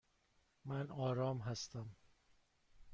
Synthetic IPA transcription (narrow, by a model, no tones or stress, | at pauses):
mænɒːɾɒːmɦæst̪æm